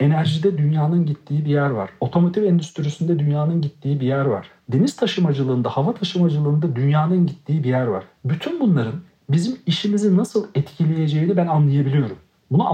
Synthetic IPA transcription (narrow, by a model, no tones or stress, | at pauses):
e̞næɾʒid̪ɛd̪ynjaːnɯnɟit̪ʰːiːibijæɾva̰ɾ̥o̞t̪ʰo̞mot̪ʰifɛnd̪yst̪ʰyɾisynd̪ɛd̪ynjaːnɯnɟit̪ʰːiːibijæɾva̰ɾ̥ | d̪e̞nist̪ʰaʃɯmad͡ʒɯlˠɯːnd̪ahavat̪ʰaʃɯmad͡ʒɯlˠɯːnd̪ad̪ynjaːnɯnɟit̪ʰːiːibijæɾva̰ɾ̥byt̪ʰynbunlˠaɾɯn | bizimiʃimizinasɯlˠɛt̪cʰilʲeje̞d͡ʒejinibænanlˠajabilʲijo̞ɾum | bunu